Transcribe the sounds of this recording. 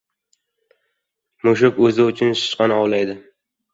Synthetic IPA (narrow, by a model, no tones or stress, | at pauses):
mʊʃʊkɵzɪʊt͡ʃʰʊnʃʊ̥ʃqɑnɒwlajd̪ɪ